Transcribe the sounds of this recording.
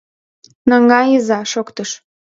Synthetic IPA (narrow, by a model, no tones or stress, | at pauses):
nɑŋɡɑjizɑʃokt̪əʃ